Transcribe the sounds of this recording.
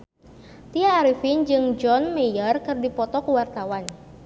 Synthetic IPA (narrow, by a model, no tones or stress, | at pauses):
t̪iaːɾifind͡ʒɨŋd͡ʒɔnmejərkɨrdipɔt̪ɔkuwart̪awan